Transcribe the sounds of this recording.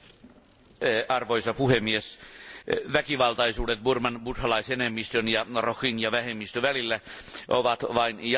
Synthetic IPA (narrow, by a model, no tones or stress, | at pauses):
ɑrʋoisɑpuhemːies | ʋækiʋɑlt̪ɑisuːdet̪̚burmɑnbut̪hɑlɑisenemːist̪ønjɑroxinjɑʋæhemːist̪øʋælilːæʔoʋɑt̪ʋɑinj